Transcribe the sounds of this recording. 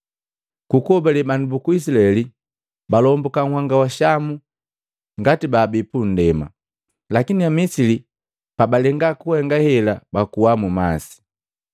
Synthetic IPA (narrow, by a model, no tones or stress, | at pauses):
kukɔbɛlɛbanubukuis̬ilaɛli | balɔmbɔkaŋ̩haŋɡawaʃamu | ŋɡatibaːbipun̩dɛma̰ | lakiniamisili | pabalɛŋɡakuhɛŋɡahɛlabakuwamumasi̥